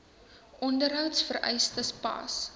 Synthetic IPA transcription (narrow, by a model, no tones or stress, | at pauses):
ʔɔndərɦœwtsfərɛ̰jstəspɑ̰s